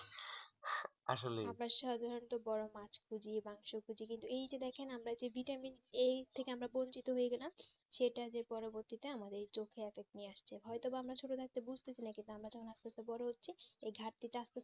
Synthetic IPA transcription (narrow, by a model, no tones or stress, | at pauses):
a̰ʃoleamɾaʃad̪ʱaɾont̪obɔɾomat͡ɕkʰud͡ʑibaŋʃokud͡ʑikint̪uejd͡ʑed̪ɛkʰenamɾad͡ʑebʱiʈaminet̪ʰekeamɾabont͡ɕit̪oɦoeɡɛlam | ʃeʈad͡ʑepɔɾoboɾt̪it̪eamad̪eɾt͡ɕokʰːeefek̚ʈnieaʃt͡ɕʰeɦɔet̪obaamɾat͡ɕʰoʈod̪ʰak̚t̪ebud͡ʑʱt̪et͡ɕʰainakint̪uamɾad͡ʑɔkʰonast̪et̪obɔɾoɦotːɕʰiejɡʱaɾt̪iʈast̪e